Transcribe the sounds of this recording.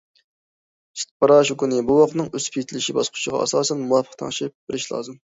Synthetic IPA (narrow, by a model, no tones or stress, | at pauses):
ʃi̥t̪̚pʰɑɾɑʃukunɪbuwɑχnɨŋøspʰit̪ʰɪlɪʃibɑsqʰʊ̥t͡ʃʰəʁɑ̰ɑ̰sɑːsɛnmuwɑpʰːə̥χt̪ʰɑ̰ŋʃip̚b̥ɪɾɪʃlˠɑ̰ːzɨm